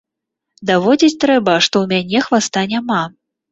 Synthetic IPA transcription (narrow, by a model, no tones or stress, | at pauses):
d̪avɔd͡zʲit͡sʲt̪ɾɛbɐʂt̪ɔwmʲanʲɛxvast̪anʲama